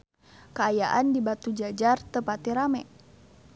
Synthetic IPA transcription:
kəajaʔandibat̪ud͡ʒad͡ʒart̪əpat̪iɾamɛ

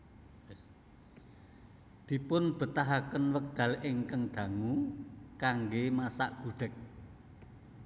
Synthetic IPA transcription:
d̪̥i̤pʊnb̥ə̤t̪aɦakənwək̚d̪̥ä̤lʔɪŋkəŋd̪̥ä̤ŋukaŋɡemasa̰ʔɡ̥ṳɖ̥ə̤k̚

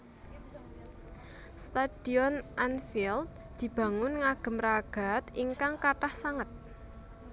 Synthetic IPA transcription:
st̪ad̪̥iɔnʔanfild̪̚ | d̪̥i̤b̥a̤ŋʊnŋaɡ̥ə̤mraɡ̥a̤t̪iŋkaŋkaʈahsaŋət̪̚

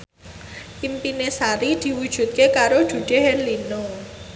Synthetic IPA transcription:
ʔimpinesaɾid̪̥i̤wud̥ʒ̥ṳt̪̚kekaɾod̥ʒ̥ṳd̪̥eɦenlino

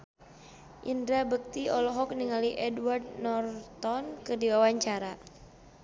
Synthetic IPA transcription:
ʔindɾabək̚t̪iɔlɔɦɔk̚niŋaliʔɛdward̪̚nɔrt̪ɔnkərdiwawaɲt͡ʃaɾa

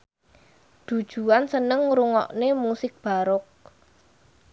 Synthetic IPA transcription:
d̪̥ṳd̥ʒ̥ṳansənəŋɾuŋɔ̰ʔnemusɪk̚b̥a̤ɾʊk̚

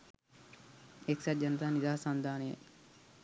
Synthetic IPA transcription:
eksad͡ʒɐnɐt̪aːnid̪aːsand̪ʱaːneja̰

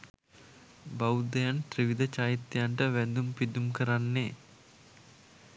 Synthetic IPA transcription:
bɐwd̪ɐjanʈɾiʋid̪ɐt͡ʃaːjit̪ːjaɳʈəʋɛnd̪umpid̪umkəɾanːeː

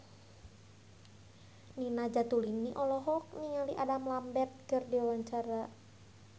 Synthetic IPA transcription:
ninad͡ʒat̪uliniʔɔlɔɦɔk̚niŋaliʔadamlambɛt̪̚kərdiwawaɲt͡ʃaɾa

